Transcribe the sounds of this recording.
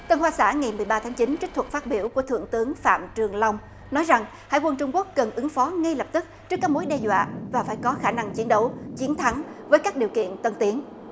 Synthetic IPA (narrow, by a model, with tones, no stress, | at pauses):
t̪ə˧nhwaː˧sa̰ː˧˩ŋa˨˩jmɨ˨˩əjɓaː˧t̪ʰaː˨˦ŋt͡ɕï˨˦nt͡ɕi˦˥k̚t̪ʰə˩k̚faː˦˥t̚ɓi˧˩əwku˧˩ət̪ʰɨ̰˧˩əŋt̪ɨ˨˦əŋfa̰ː˧˨mt͡ɕɨ˨˩əŋla˧wŋ͡m | nɔ˨˦jza˨˩ŋ | ha̰˧˨jkwə˧nt͡ɕʊ˧ŋ͡mku˦˥ək̚ːə˨˩nʔɨ˨˦ŋfɔ˨˦ŋa˧jlə˨˩p̚t̪ɨ˦˥k̚t͡ɕɨ˦˥kːaː˦˥k̚mo˨˦jɗɛ˧zwa̰ː˧˨vaː˨˩faː˧˩jkɔ˨˦xaː˧˩na˧ŋt͡ɕi˨˦ənɗə˨˦wt͡ɕi˨˦ənt̪ʰa˨˦ŋvəː˨˦jkaː˦˥k̚ɗi˨˩əwkḭ˧˨ənt̪ə˧nt̪i˨˦ən